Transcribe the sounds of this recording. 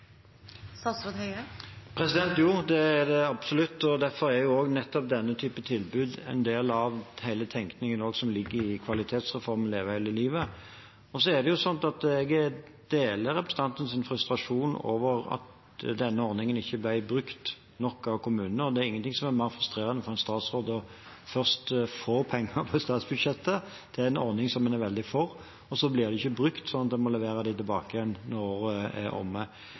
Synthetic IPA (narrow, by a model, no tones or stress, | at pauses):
sɑːst̪hœəpʰɾɛsɪd̪ɛnt̪juːd̪ɛæd̪ɛɑb̥sɔlʉt̪ːɔd̪æɾfɔɾæɾjʊoːɡnɛt̪ːɔp̚d̪ɛnːət̪ʰyːpət̪ʰɪlbʉːd̪ɛ̰ɪnd̪eːlɑʋhæɪlət̪ʰɛŋknɪŋənoːɡsɔmlɪɡːəɾɪkʰʋɑlɪt̪ʰeːt̪sʁɛfɔɾmənleːʋəhæɪlɪliːʋə | ɔsɔæʁd̪ɛjʊsɔnt̪ɑt̪ɛɡɛ | d̪̥eːləɾɛpɾɛsən̩t̪ɑnt̪ən̩sɪnfɾʉst̪ɾɑʂuːno̰ːʋəɾɑ̰t̪ | d̪ɛnːəɔɾnɪŋənɪçːəblæɪbɾʉkt̪ | nɔkːɑʋkʊmʉːnnəɾɔd̪ɛːɾɪŋːənt̪ʰɪŋsɔmæɾmæɪɾfʁʉst̪ɾeːɾənəfɔɾɛnst̪ɑːt̪sʁoːd̪əɔ | fœʁst̪foːpʰɛŋːəpʰɔst̪ɑːt̪sbʉd̪ʂɛt̪ːə | t̪ʰɪlæɪnɔɾnɪŋsɔmːɛnæɾʋɛld̪ɪfɔʁ | ɔsɔblɪʁd̪ɛɪçːəbɾʉkt̪sɔnːɑt̪d̪ɛmɔlɛʋeːɾəd̪æɪt̪ɪlbɑ̰ːkəjɛnnɔoːɾəɛ̰ɔ̰mːə